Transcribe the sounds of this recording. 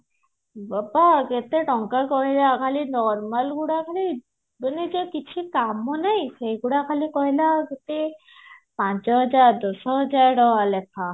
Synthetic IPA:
babaɡet̪eʈɔŋkakɔɦilakʰalinɔɾmalɡuɽakʰali | bənid͡ʒekit͡ʃʰikamːɔnajsejɡuɽakʰalikɔɦilaɡet̪e | pant͡ʃɔɦɔd͡ʒaɾd̪ɔsɔɦɔd͡ʒaɹɾɔɦalɛkʰa

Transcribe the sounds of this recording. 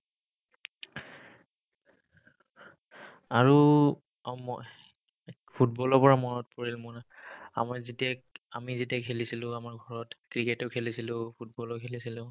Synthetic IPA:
aɹu | m | pʰut̚bɔlɔpɔɹamɔnɔtpoɹilmɔnaa̰maɹzitiakamizitiakʰelisilʊ̃amaɹɡʱɔɹɔtkɹiketɔkʰelisilʊ̃pʰut̚bɔlɔkʰelisilʊ̃

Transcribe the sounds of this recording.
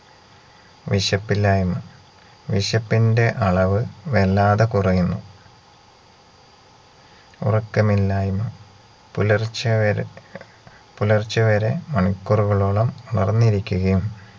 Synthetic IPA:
ʋiɕɐpːilːaːjumɐ | ʋiɕɐpːinde̞ʔɐɭɐʋɨʋelːaːðɐkurɐjunːu | ṵrɐkːɐmilːaːjumɐ | plr | pulɐrt͡ɕːɐʋɐɾe̞mɐɳikːuruɣɐɭoɭɐmuɳɐrnːiɾikʲːuɣɐjum

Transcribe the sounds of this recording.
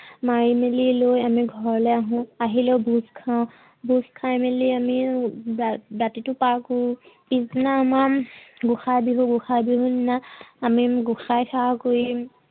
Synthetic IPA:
maɹimelilojamiɡʱɔɹlɛjaɦʊ̃aɦilɛbuzkʰãʊ̃ | buskʰajmeliami | ɹatitʊpako | piznaːmaɡuxajbiɦũɡuxajbiɦũninaːmiɡuxajkʰakoɹi

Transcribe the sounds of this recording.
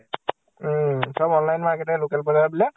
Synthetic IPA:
sɔbɔnlajnmaɹkɛtɛlokɛlbɔzaɹbilɛ

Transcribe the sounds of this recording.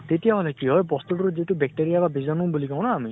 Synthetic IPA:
t̪etijaɦɔlekiɦɔjpɔst̪utuɾud͡ʒetubɛk̚ʈeɾijababʱizɔnũbulikaw̃nɔami

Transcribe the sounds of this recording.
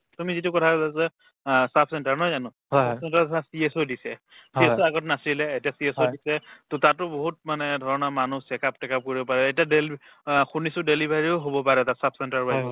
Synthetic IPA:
tumizitʊkɔtʰakɔzasɛ | sapʰsɛntaɹnɔjzanʊ̃ | apsɛntaɹasiesodisɛ | siesoaɡɔtnasilɛetiasiesodisɛtotatʊboɦut̚manɛdʱɔɹɔnamanusɛkap̚tɛkap̚koɹibɔpaɹɛetiadel | xunisʊdelibʱaɹioɦobɔpaɹɛtatsapʰsɛntaɹba

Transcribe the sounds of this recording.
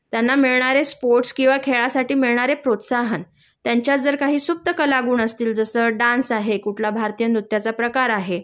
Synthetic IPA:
t̪janːamiɭɳ̃aɾespoɾʈskĩw̃ʋakʰeɭasaʈiːmiɭɳ̃aɾepɾot̪saɦən | t̪jaɲt͡ɕjad͡zəɾkaɦiːsup̚t̪əkəlaɡuːnəst̪iːld͡zəsəɖansaɦekuʈʰlabʱaɾt̪ijənut̪ːjat͡sapɾəkaɾaɦe

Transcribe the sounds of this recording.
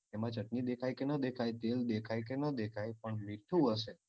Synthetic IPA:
t̪emãt͡ʃəʈnid̪ekʰajkenəd̪ekʰajt̪eld̪ekʰajkenəd̪ekʰajpəɳmiʈʰːũəʃe

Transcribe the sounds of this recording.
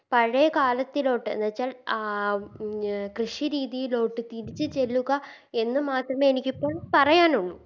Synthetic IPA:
pɐɻekaːlɐt̪ːilo̞ːʈːɨ̰nʋɐt͡ɕːaːlː | krɨʂiɾiːðijilo̞ːʈːɨt̪iɾit͡ɕːɨt͡ɕe̞lːuɣɐ | e̞nːɨmaːt̪rɐmeenikʲːipːo̞ːɭpɐrɐjaːnuɳːu

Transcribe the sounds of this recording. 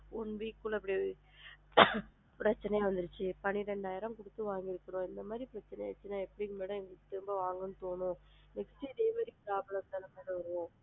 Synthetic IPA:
ʊnʋiːkːʊɭɐp̬ːɐɽi | pɾɐt͡ʃːɐnɐjaːʋɐnd̪ɯɾɯt͡ʃːɯpɐniɾɛɳɖaːjɐɾɐmkʊɽɯt̪ːɯʋaːŋɡɪɾɯkːɐɳʊ̃ːɪnd̪ɐmaːd̪ɾipɪɾɐt͡ʃːɐnɐjaːt͡ʃːɯnaːɛpːɐɽɪkɯmeːɽɐ̃ɛŋɡɐɭkːɯt̪ɪɾɯmbɐʋaːŋɡɐnːɯt̪oːɳʊ̃ | mɪkɐt͡ʃːiɪðeːmaːd̪ɾikɯsaːpɐɭɐt̪ːɐlɐmɐːɽɐʋɐɾɯʋõː

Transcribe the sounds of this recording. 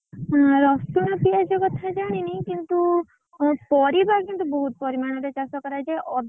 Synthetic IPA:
ɾɔst̪uñɔpiad͡ʒekɔt̪ʰad͡ʒaɽ̃iniĩkint̪u | pɔɾibakint̪ubɔɦut̪̚pɔɾimaɽ̃ɔɾet͡ʃasɔkɔɾajd͡ʒeʔɔd̪

